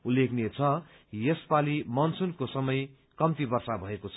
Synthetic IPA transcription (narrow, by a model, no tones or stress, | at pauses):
ulːekʰnet͡sʰʌ | jespalimʌnt͡sʰunkosʌmʌj | kʌmt̪ibʌrsabʱʌekot͡sʰʌ